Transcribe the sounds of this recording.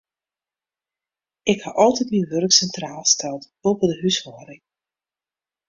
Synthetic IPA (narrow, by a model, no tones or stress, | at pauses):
ɪkhaʔɑlˠtɛtminʋɵrəksɛntraːlˠstɛlˠt | opədəɦyshɔːɾɪŋ